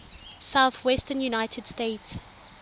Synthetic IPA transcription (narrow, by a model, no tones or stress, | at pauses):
saʊθwɛstənjunaɪtʰədstets